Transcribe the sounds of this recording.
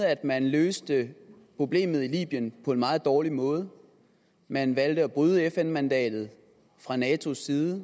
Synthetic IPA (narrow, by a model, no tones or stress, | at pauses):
æd̥mænløːsd̥əpʰʁo̝b̥le̝̰ːmð̞̩ˠilḭːb̥jənpʰɒ̽e̝nmɑ̈ːð̞̩ˠd̥ɒːlimɔ̽ːð̞ˠ | mænʋæld̥əæb̥ʁyð̞ˠəefenmænd̥ɛ̰ːd̥ð̞̩ˠ | fʁɑ̈nɛːt͡sʰo̝sːiːðˠə